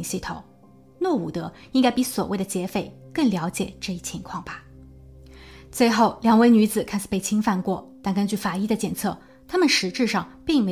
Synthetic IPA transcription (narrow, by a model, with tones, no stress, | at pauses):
ŋɕi˥˩t̪ʰo˨˩˦ʊ | nwɔ˥˩u˨˩t̪ə˧˥i˥ŋka˥ɪpi˧˥swɔ̰˨˩we˥˩ɪd̪ə˩t͡ɕjɛ˧˥fe˨˧˩ɪkə˥˩ŋljɑ˧˥ʊt͡ɕjɛ̰˨˩˦ʈ͡ʂɤ˥˧i˧˥˩t͡ɕʰi˧˥ŋkʰwɑ˥˩ŋba˩ | t͡swe˥˧ɪxo˥˩ʊljɑ˧˥ŋwe˧˥ɪny˧˥d͡zɹ̩˨˩kʰa˥ɪʂɻ̩˨˩pe˥˩ɪt͡ɕʰi˥ŋfa˥˧nkwɔ˥˩t̪a˥˧nkə˥nt͡ɕy˥˩fa˨˩i˥d̪ə˨t͡ɕjɛ˨˩nt͡sʰɤ˥˩ | t̪ʰa˥mə˨nʂɻ̩˧˥ʈ͡ʂɻ̩˥˧ʂɑ˥˧ŋpi˥˩ŋme˧˥